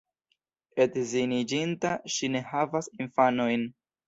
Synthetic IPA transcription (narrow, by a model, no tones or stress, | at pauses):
e̞tzinid͡ʒintaʃine̞havasinfano̞jn